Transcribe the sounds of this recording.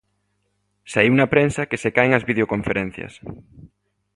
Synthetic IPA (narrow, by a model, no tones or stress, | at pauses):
saiwunɐpɾensɐkesekaeŋɐzβiðeokõɱfeɾɛn̟θjɐ̰s